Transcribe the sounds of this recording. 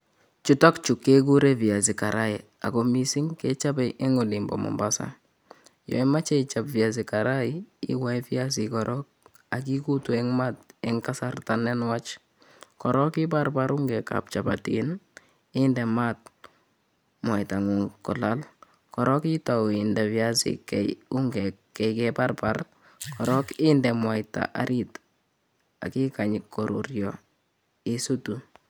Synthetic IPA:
t͡ʃutɔkt͡ʃukːek̬uɾeviazikaɾʔaɪ | a̰kɔmisiŋket͡ʃabɛʔeŋɔlimbɔ̰mɔ̰mbasa̰ | jɔ̰imat͡ʃɛit͡ʃapvias̬ikaɾaɪɪ̰waifias̬ikɔɾʔɔk̚ | akikutuɛŋmatɛŋkasartanɛnwat͡ʃ | kɔɾɔkɪparpaɾuŋɡɛka̰p̚t͡ʃaba̰tin | ɪndɛmat̚ | mwajtaŋuŋkɔ̰lal | kɔɾɔkɪtaɪndɛβjasɪ̰kɛjuŋɡɛkːɛkɛparpar | kɔɾɔkɪndɛmwajta̰ʔa̰ɾit | a̰kikaɲɪkːɔɾo̰ɾjɔ | ɪsutu

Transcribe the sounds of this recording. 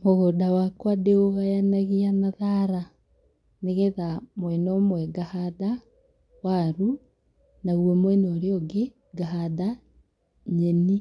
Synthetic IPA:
moɣodawakwadeoɣajanaɣianaðaɾa | neɣeðamwɛnɔmwɛɡahada | waɾu | naɣwɛmwɛnɔɾeɔɡe | ɡaɦada | ɲɛni

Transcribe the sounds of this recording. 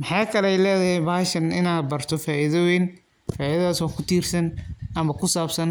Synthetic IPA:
mɪħɑjkʰɐlɛjlɛːðɐɦɛjbaːhʃɐnɪnaːd̪̚bɐrt̪ʰɔfaːʔiðɔwɪn | faːʔiðɐðaːsɔːkʰʊt̪ʰiːrsɐnʔɐmɐkʰʊsaːbsɐn

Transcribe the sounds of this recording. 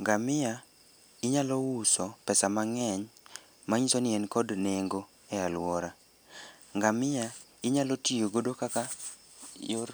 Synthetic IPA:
ŋɡamɪja | ɪɲalɔwusɔpɛsamaŋɛɲ | maɲisonɪɛnkɔdneŋɡo | ɛalwɔɾa | ŋɡamɪja | ɪɲalɔtijoɡodokaka | jor

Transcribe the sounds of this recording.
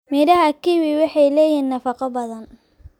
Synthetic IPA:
mɪdɐɦɐkiwiwɑħɑjlɛːjiːnːɐfɑqɐbɐðɐn

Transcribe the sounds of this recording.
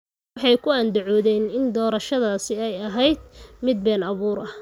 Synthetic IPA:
ħɑjkʰʊand̪ʊʕɔːðɛːnɪnd̪ɔːɾɐʃɐðaːsɪɛjɐɦɛjd̪̚mɪd̪̚bɛːnɐβuːɾɐ

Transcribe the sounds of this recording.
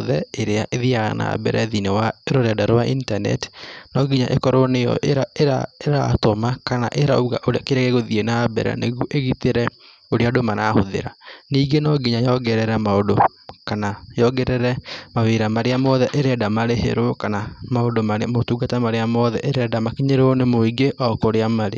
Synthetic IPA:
ðɛeɾeaʔeðiaɣa̰na̰ːbɛ̰ɾɛðinewaeɾoɾɛdaɾowaʔintanɛ̰ti̥nɔɡiɲaʔekɔɾonejɔ̰ʔeɾaeɾa̰eɾa̰tomakanaʔeɾauɣaʔoɾakeɾɛɣeɣoðienabɛ̰ɾa̰neɣuʔeɣit̪eɾɛ | oɾeadomanahoðḛɾa̰niːɡenɔɡiɲajɔɡɛɾɛɾɛmaodo | kanajɔɡɛɾɛɾɛmaweɾamaɾeamɔðɛʔeɾɛːdamaɾehḛɾokanamaodomaɾmotuːɡatamaɾeamɔðɛʔeɾɛdamakiɲeɾɔnemoiɡeʔɔkoɾeamaɾḛ

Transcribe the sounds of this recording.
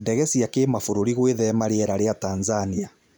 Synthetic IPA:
dɛɣɛsiakemafoɾoɾiɣweðɛmaɾeɛɾaɾeataːnzania

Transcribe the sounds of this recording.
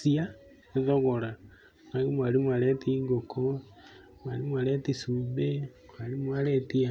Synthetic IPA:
sia | eðoɣoɾa | naɣimwaɾimwaɾetiŋɡokʰo | mwaɾimwaɾetisuːmbekwaɾimwaɾetia

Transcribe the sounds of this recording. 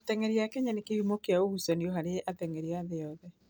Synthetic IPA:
t̪ɛŋɛɾiakɛɲanekehumokeaohusɔniɔɦaɾeʔatɛŋɛɾiaðejɔðɛ

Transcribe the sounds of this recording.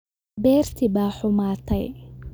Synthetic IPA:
bɛːrt̪ʰɪbaːħʊmaːt̪ʰɛ̰j

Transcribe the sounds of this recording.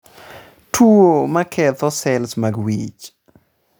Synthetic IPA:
tʰuomakʰɛt̪ɔsɛlsmaɡwḭt͡ʃ

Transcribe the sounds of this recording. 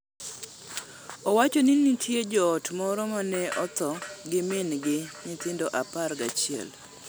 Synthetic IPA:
ɔwat͡ʃonɪnɪtʰjed͡ʒɔːtmɔɾɔmanɛɔt̪ɔɡɪmɪnɡɪɲɪt̪ɪndɔʔapaɾɡat͡ʃiɛ̰l

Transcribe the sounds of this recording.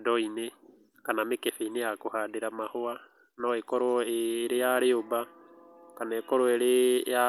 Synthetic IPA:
dɔine | kanamekefeinejakohadeɾamahoa | noekoɾoeːɾejaɾeoba | kanaekoɾoeɾeja

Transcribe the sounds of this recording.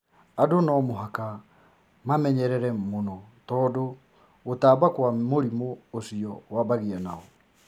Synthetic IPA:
adonɔmoɦaka | mamɛɲɛɾɛɾɛmonɔtɔːdo | ɣotaːbakwamoɾimoːsiɔwabaɣianaɔ

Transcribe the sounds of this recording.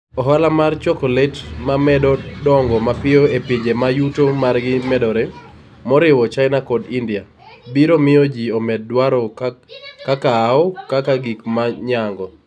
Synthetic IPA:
ɔɦalamart͡ʃɔkɔletmamɛdɔdɔŋɡɔmapɪoeped͡ʒemajutomarɡɪmɛdɔɾɛ | mɔɾɪwɔt͡ʃaɪnakɔdindɪa | biɾomɪod͡ʒiɔmɛd̚ːwaɾɔ | kakaːɔkakaɡikmaɲaŋɡɔ

